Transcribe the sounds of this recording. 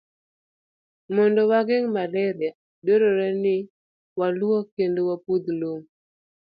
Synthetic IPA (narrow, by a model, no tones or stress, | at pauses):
mɔndɔwaɡɪŋmalɛɾɪa | doɾoɾɛnɪ | walwɔkendowapud̪loŋ